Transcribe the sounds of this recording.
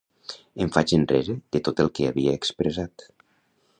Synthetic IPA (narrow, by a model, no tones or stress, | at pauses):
əɱfat͡ʃənrɛzeð̥ət̪ot̪əlˠkeaβiəːkspɾəzat̪